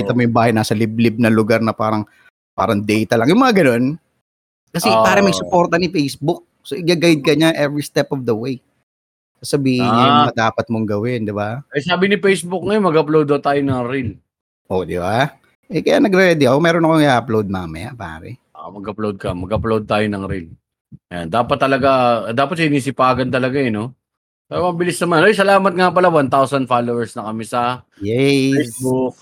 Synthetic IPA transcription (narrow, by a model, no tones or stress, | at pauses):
kiːt̪ɐmojʊŋbaːhɐjnaːsɐlɪb̚lɪb̚nɐlʊɡaɾnɐpaːɾɐŋ | pa̰ːɾɐŋd̪ɛjt̪ɐlɐŋjʊŋmɐŋaɡɐno̞n | kɐsɛpaːɾɛmɐjsʊpo̞ɾt̪ɐnɪfejsbʊk̚ | soʔɪɡaːɡajd̪̚kɐɲaŋʔɛvɾist̪ɛpofd̪ɐwej | sɐsɐbiːhɪɲɲajmɐd̪aːpɐt̪̚moŋɡɐwɪnd̪ɪbaɐjsaːbɪnɪfejsbʊk̚ŋɐjonmɐɡɐplowd̪ɐt̪aːjonɐŋɾil | ʔod̪ɪba | ʔɛkɐjanɐɡɾɛɛd̪ɛɐkomɛːɾonɐkoŋɪaːɐplowd̪̚mamɐjapa̰ːɾɛ̰ʔa̰mɐɡɐplowd̪̚kɐmɐɡʔɐplowd̪̚t̪aːjonɐŋɾɪl | ʔɐja̰nd̪aːpɐt̪ːɐlɐɡad̪aːpɐt̪̚sɪniːsɪpaːɡɐnt̪ɐlɐɡaɛno̞ | paɾɐmɐbɪlɪsnɐmanʔjsɐlaːmɐt̪̚ŋapɐlawant̪awsɐnfaːlowɛɹsnɐkɐmisɐjɛjsbʊk̚